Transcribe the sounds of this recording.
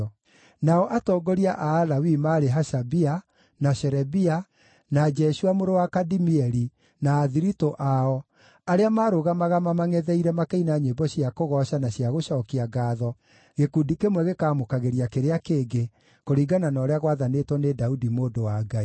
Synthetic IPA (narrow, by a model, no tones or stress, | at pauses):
naɔʔatɔːɡɔɾiaʔaːlawimaːɾeɦaʃabia | naʃɛɾɛbia | nad͡ʒɛʃuamoɾowakadimiɛɾi | naːðiɾitoʔaɔ | aɾeamaːɾoɣamaɣamamaŋɛðɛiɾɛmakeinaɲebɔɕiakoɣɔʃanaɕjaɣoʃɔːkiaɡaːðɔ | ɣekuːndikemwɛɣekaːmokaɣeɾiakeɾeakeːɡe | koɾiːɡananɔːɾeaɣwaðanetwɔnedaudimoːdowaːɡai